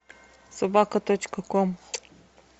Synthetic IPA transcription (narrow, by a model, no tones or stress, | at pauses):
sɐbakət̪ot͡ʃkəkɔm